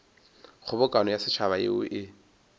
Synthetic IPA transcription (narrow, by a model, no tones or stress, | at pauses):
χʊbʊkʼanɔjasɪt͡ʃʰaβaḛʊ̰ʔɪ